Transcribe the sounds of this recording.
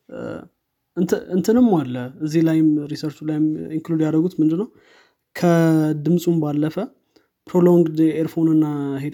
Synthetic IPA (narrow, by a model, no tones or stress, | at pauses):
ʔɨnt̪ʰɨʔɨnt̪ʰɨnɨmːalːəɨzːilajɪmɾisəɾt͡ʃulajɪmiŋklud̪jad̪əɡut̪mɨnd̪ɨnːəw | kʰəd̪ɨmsʼumbalːəfə | pɾolo̞ŋɡd̪eɾfo̞nɨnːaɦed̪